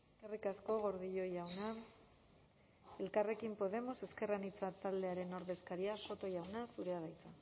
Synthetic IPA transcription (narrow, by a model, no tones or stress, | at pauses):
eskerikasko̞ɣ̞o̞ɾðiʎo̞jawna | e̞lkare̞kimpo̞ð̞e̞mo̞se̞ske̞ranit͡sat̪ald̪e̞aɾe̞no̞ɾðe̞skaɾiafo̞t̪o̞jawnasuɾe̞aðajt͡sa